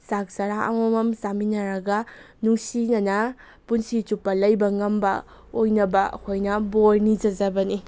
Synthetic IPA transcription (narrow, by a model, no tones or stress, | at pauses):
sak̚sɐɾaʔɐ̰momɐmsaminɐɾɐɡɐ | nuŋsinɐnɐ | punsit͡ʃupːɐlɐjbɐŋɐmbɐ̰ | ojnɐbɐkʰojnɐboɾnid͡ʒɐzɐbɐni